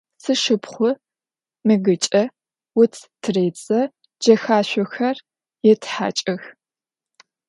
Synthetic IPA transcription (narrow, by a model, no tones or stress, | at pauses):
sɨʃɨpχʷʊ | mɨɡɨt͡ʃʼɐ | wʊtʰtʰreːt͡sʼɐ | d͡ʒɐxaːɕʷʊxɐr | jɛtʰħa̰ːt͡ʃʼɐx